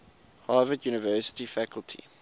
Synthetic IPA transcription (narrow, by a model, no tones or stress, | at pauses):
haːvədjuːnəvɜːˑsə̥tifækəlˠtʰḭ